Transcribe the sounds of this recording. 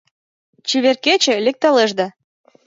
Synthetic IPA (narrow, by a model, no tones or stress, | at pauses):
t͡ɕiβerket͡ɕĕlek̚t̪ɑleʒd̪ɑ